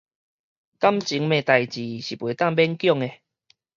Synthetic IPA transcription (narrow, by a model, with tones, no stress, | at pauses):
ka˦˥mt͡ɕi˨˦ŋmẽ˨t̪a˨˩jt͡ɕi˨ɕi˨˩pwe˨˦t̪a˥˨ŋbɛ˦˥nkjɔ˥˨ŋe˨